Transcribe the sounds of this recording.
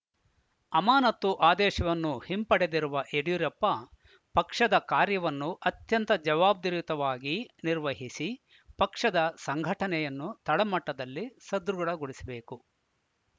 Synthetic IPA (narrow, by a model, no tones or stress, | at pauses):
ɐmaːnɐt̪ːuʔaːd̪ɛːʃɐʋɐnːuhimpɐɽed̪iɾuʋɐʔeɽijuɾɐpːɐ | pɐkʂɐd̪ɐkaːɾjɐʋɐnːuʔɐt̪jɐnt̪ɐd͡ʒɐʋaːb̚d̪iɾʋit̪ɐʋaːɡiniɾʋɐɦisi | pɐkʂɐd̪ɐsɐŋɡʱɐʈɐnɛjɐnːut̪ɐɭɐmɐʈːɐd̪ɐlːisɐd̪ɾuɡɐɭɐɡuɽisɐbe̞ːku